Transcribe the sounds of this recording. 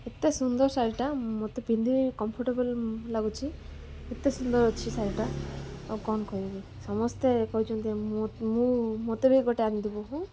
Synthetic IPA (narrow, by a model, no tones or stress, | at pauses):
et̪esund̪ɔɾsaɾiʈamot̪ebʱind̪ʱikɔmpʰɔɾʈebɔllaɡut͡ʃʰi | et̪esund̪ɔɾt͡ʃʰisaɾiʈa | kɔnkɔɦibi | sɔmɔst̪ekɔɦut͡ʃʰũnt̪iẽmũmot̪ebiɡɔʈeanid̪ibuɦũ